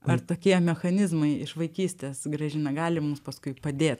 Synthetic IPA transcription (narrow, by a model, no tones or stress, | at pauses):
ɐrt̪oːkʲiɛmʲɛxɐnʲɪzmɐɪɪʃʋɐɪkʲiːsʲt̪ʲeːsɡɾɐʒʲɪnɐɡɑːlʲɪmʊmspɐskʊɪpɐd̪ʲeːt̪